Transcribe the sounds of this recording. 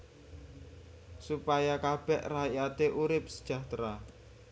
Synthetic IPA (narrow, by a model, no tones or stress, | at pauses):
supajakab̥ɛʔrajat̪eʔuɾɪp̚sə̥d̥ʒ̥a̤ht̪ɾa